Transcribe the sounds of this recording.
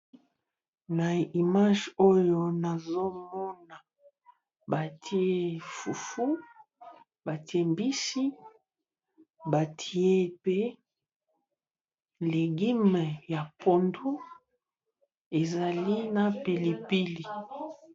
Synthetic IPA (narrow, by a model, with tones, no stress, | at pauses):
na˨i˨ma˦ʒo˦jo˨na˨zo˦mɔ˦na˨ | ba˨tʰi˦e˦fu˨fu˦ | ba˨ti˨e˦mbi˦si˦ | ba˨tʰi˨e˦pe˦ | le˨ɡi˦m˨ja˨po˨ndu˦ | e˨za˨li˦na˨pi˨li˨pi˦li˨